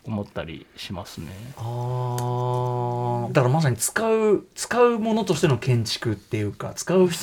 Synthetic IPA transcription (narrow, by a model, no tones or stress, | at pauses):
omot̪ːaɾʲḭɕimasɨnea | d̪akaɾamas̬aɲ̟it͡sɨ̥kaɯ̟t͡sɨ̥kaɯ̟mo̞no̞t̪o̞ɕi̥t̪e̞nokẽ̞ɲ̟t͡ɕi̥kɯ̟t̪ːe̞jɯ̟ːka̰t͡sɨ̥kaɯ̟ç̥